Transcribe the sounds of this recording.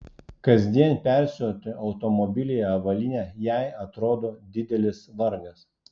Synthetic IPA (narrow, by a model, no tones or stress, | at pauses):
kɐzʲd̪ʲiɛnpʲæˑɾʲsʲoːt̪ʲɪɐʊt̪ɔmɔbʲɪlʲɪjɛɐʋɐlʲɪnʲɛːjæˑɪɐt̪ɾoːd̪oːd̪ʲɪd̪ʲɛlʲɪsʋɐɾɡɐs